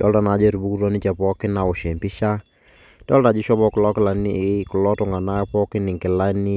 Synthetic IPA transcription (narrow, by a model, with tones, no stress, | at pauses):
dɔ˦lta˨na˨d͡ʒɛ˦ɾu˨bu˦ku˦ɾɔ˦ni˦t͡ʃɛ˨pɔ˦kɪ˦na˨ɔ˨ʃɛ˨mpi˦ʃa˦ | d̥ɔ˦lta˨d͡ʒɪ˦ʃɔ˦bɔ˦kʊ˨lɔ˦kɪ˦la˨ni˦kʊ˨lɔ˦tɔ˨ŋa˨na˦pɔ˦kɪ˦nɪ˨ŋkɪ˨la˦ni˦